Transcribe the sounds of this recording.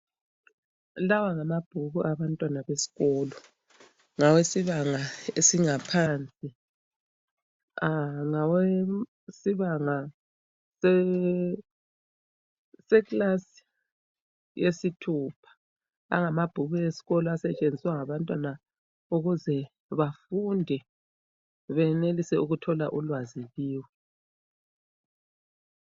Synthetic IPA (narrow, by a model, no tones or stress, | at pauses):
lawaŋamab̥ʱuɣuʔaβantʼwanaβesi̥ɣɔːlɔ | ŋawesiβaŋaesiŋapʰaːnt͡sʼi | aŋawe | siβaŋa | sɛ | sɛkʼlasi̥ | jesitʰuːpʰḁ | a̰ŋamab̥ʱuβɛesi̥ɣɔlɔasɛt͡ʃʼend͡zʱiswaŋaβantʼwana | uɣuzɛ | βafundʱɛ | βɛnelisɛuɣutʰɔla̰ʔulwaziβiːwɛ